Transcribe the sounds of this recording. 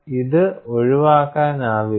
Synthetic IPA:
iðɨoɻiʋaːkːaːnaːʋi

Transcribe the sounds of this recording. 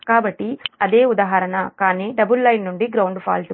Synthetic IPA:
kaːbɐʈːiɐd̪eːud̪aːɦaːɾɐnɐkaːniːɖɐbulːɐjnːuɳɖiɡɾɐwɳɖpʰa̰ːls

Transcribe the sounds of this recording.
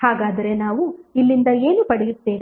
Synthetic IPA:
haːɡaːd̪ɐɾe̞naːʋuilːind̪ɐe̞ːnupɐɽɛjut̪ːeːʋi

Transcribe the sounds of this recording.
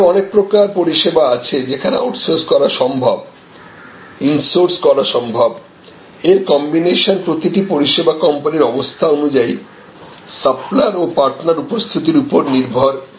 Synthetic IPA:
ɔnek̚pɾokaɾpoɾiʃebaat͡ɕʰed͡ʑekʰanḛoʈsoɾskɔɾaʃɔmbʱab | insoɾskɔɾaʃɔmbʱab | eɾkɔmbineʃonpɾot̪iʈipoɾiʃebakɔmpaniɾɔbost̪ʰaonud͡ʑai | saplaɾopaɾʈnaɾupost̪ʰit̪̬iɾupoɾniɾbʱoɾ

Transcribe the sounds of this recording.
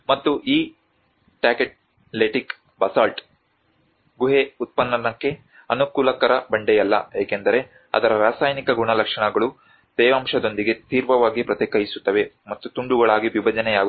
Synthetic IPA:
mɐt̪ːuʔiː | ʈaːkeʈ̚ | leʈik | bɐsaːlʈ | ɡuɦeut̪̚pɐnːɐnɐkːe̞ | ɐnukuːlɐkɐɾɐbɐɳɖɛjɐlːɐ̰eːkend̪ɐɾe̞ | ɐ̰d̪ɐɾɐɾaːsaːjnikɐɡuɳɐlɐkʂɐɳɐɡɐɭu | d̪̥ɛːʋɐmʂɐd̪o̞nd̪iɡe̞t̪iːɾʋɐʋaːɡipɾɐt̪ɛːkɐjisu̥t̪ːɐʋe̞ | mɐt̪ːut̪uɳɖuɡɐɭaːɡiʋibɐd͡ʒɐnɛjaːɡu

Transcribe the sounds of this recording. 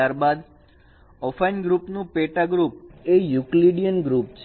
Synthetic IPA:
aɾbad̪ | ɔfajnɡɾupnũpeʈaɡɾup̚ejukliɖijənɡɾup̚t͡ʃʰ

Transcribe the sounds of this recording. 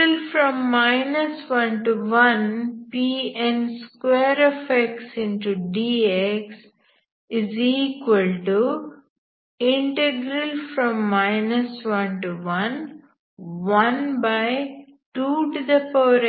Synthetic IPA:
əlfɾɔ̃mːaɪnəsʋʌ̃nʈuʋʌ̃npiːɛ̃nɖskweːɾefek̚ʈsɪ̃nʈuɖiːeks | ɪziːkʋəlʈu | ɪ̃ɳʈeɡɾəlfɾɔ̃mːaɪnəsʋʌ̃nʈuʋʌ̃n | ʋʌ̃nbaɪʈuːʈd̪əpoːɾ

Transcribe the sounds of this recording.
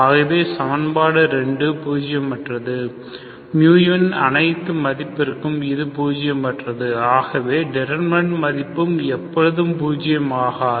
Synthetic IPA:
aːɣɐʋeːsɐmɐnbaːɽɯɾɛɳɖɯpuːd͡ʒɪjɐmpɐʈrɐðɯ | mjuːjɐnɐ̰nɐɪt̪ːɯmɐðɪpːɪɾɯkːɯmɪðɯpuːd͡ʒɪjɐmpɐʈrɐðɯaːɣɐʋeːɖɛɾɐɾmɐɳʈmɐðɪpːɯmɛpːɔɻɯðɯmpuːd͡ʒɪjɐmaːɣɐ

